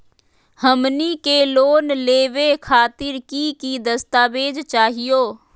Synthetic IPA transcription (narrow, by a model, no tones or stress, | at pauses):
həmnikeloːnleːʋekʰaːt̪ɪɾkiːkid̪əst̪aːʋeːd͡ʒt͡ʃaːɦɪjoː